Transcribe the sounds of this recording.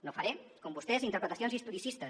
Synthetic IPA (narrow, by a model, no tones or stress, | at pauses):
nofaɾekombust̪ezint̪əɾpɾət̪ɐsjonzist̪uɾisist̪ə